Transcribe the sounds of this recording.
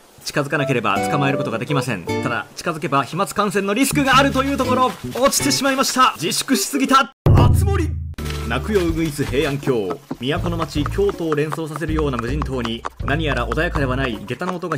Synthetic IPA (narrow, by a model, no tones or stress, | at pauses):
t͡ɕi̥kazɨkanake̞ɾe̞ba̰t͡sɨ̥kamae̞ɾɯ̟kot̪oɡad̪ekʲimasẽ̞nt̪ad̪a̰t͡ɕi̥kazɨke̞baçimat͡sɨ̥kãɰ̃sẽ̞nːoɾʲisɨ̥kɯ̟ɡaːɾɯ̟t̪o̞jɯ̟ːt̪o̞ko̞ɾo̞ot͡ɕi̥t̪e̞ɕimaimaɕi̥t̪ad͡ʑiɕi̥kɯ̟ɕi̥sɨɡʲit̪aat͡sɨmo̞ɾʲinakɯ̟jo̞ɯ̟ɡɯ̟it͡sɨɦe̞ːãŋkʲo̞ːmʲijako̞no̞mat͡ɕikʲo̞ːt̪o̞ːɾẽ̞ɰ̃so̞ːs̬as̬e̞ɾɯjo̞ːnamɯ̟ʑĩnt̪o̞ːɲ̟inaɲ̟ijaɾaʔo̞d̪ajakad̪e̞βanaiɡ̪e̞t̪anoot̪o̞ɡa